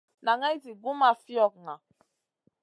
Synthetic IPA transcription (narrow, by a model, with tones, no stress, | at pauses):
na˨ŋa˦i˦zi˨ɡu˦ma˨fi˦ɔ˦˨k̚ŋa˨